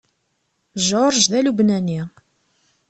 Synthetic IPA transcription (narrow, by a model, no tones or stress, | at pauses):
ʒoɾˤʒðælubnæni